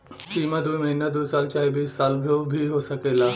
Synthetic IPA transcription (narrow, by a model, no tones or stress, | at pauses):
ʈiːmad̪uːjməɦinad̪uːsaːlt͡ʃaːjbiːsːaːlbʱjobʱiɦosɐkeːlaː